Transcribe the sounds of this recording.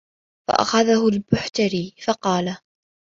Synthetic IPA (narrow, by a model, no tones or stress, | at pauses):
fa̰ʔa̰xaðahʊlbʊħt̪aɾiːfɑqɑːla